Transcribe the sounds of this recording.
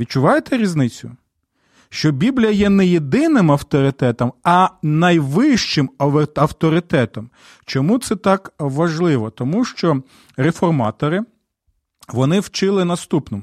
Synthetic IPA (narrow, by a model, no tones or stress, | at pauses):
ʋʲid̪̚t͡ʃʊʋɑjet̪ɛɾʲiznɪt͡sʲʊ | ʃt͡ʃɔbʲiblʲijɐjɛnɛjed̪ɪnɪmɐwt̪ɔɾɪt̪ɛt̪ɔmɐnɐjʋɪʃt͡ʃɪmɐwt̪ɔɾɪt̪ɛt̪ɔm | t͡ʃɔmut̪sɛt̪ɑkʋɐʒlˠɪʋɔt̪ɔmuʃt͡ʃɔ | ɾefɔrmɑt̪ɔɾɪ | ʋɔnɪwt͡ʃɪlˠɪnɐst̪upnɔm